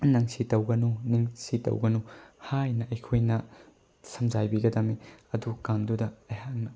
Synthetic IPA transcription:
nɐŋsitɐwɡɐnuniŋsitɐ̰wɡɐnuhajnɐɐjkʰojnɐ | sɐmd͡ʒajbiɡɐdɐmiɐdukamdudɐɐjɦaŋnɐ

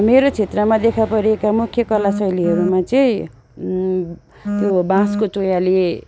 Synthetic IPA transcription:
meɾot͡sʰet̪rʌmad̪ekʰapʌɾiekamukʰjʌkʌlasʌjliɦʌɾumat͡sʌĩ | t̪jobãskot̪ojale

